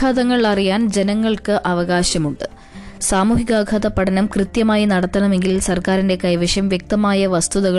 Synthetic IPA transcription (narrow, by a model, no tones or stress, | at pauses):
aðɐŋːɐɭɭɐrijaːnd͡ʑe̞nɐŋːɐɭkɨʔɐʋɐɣaːɕɐmuɳɖɨ | saːmuːɦiɣaːɡʰʱaːðɐpːɐʈʰɐnɐmkrɨt̪jɐmaːjinɐɽɐt̪ːɐɳɐme̞ŋɡilsɐrkaːɾinde̞kɐjʋɐʂjɐmʋjek̚t̪ɐmaːjɐʋɐst̪uðɐɣɐ